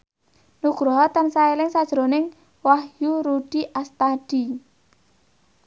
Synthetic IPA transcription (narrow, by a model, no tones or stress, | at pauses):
nuɡ̥ɾɔɦɔt̪ansaelɪŋsad̥ʒ̥ɾonɪŋ | wahjuɾuɖ̥iʔast̪ad̥i